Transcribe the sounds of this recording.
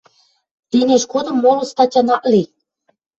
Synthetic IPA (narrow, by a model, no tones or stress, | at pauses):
t̪eneʃkod̪ɤ̆mːolɤ̆st̪ɑt͡ɕʲɑnɑʔli